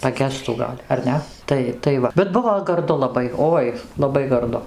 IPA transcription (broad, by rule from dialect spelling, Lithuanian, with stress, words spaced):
pɐˈɡʲæːstuː ˈɡɐlʲ ɐr ˈnʲɛ ˈtɐɪ tɐɪ ˈʋɐ bʲɛt ˈbʊʋoː ɡɐrˈdʊ lˠɐˈbɐɪ ˈoːɪ lˠɐˈbɐɪ ɡɐrˈdʊ